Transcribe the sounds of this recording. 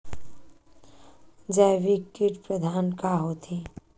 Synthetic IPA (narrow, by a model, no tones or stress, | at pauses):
d͡ʒaʋikːɪʈpɾəd̪ʱaːnkaɦoːt̪ʰi